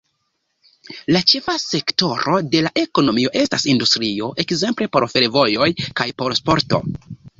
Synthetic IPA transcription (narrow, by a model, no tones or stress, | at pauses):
lat͡ʃe̞fase̞kto̞ɾo̞de̞laʔe̞ko̞no̞mio̞ʔe̞stasindustɾio̞ʔe̞kze̞mple̞po̞ɾfe̞ɾvo̞jo̞jkajpo̞ɾspo̞ɾto̞̰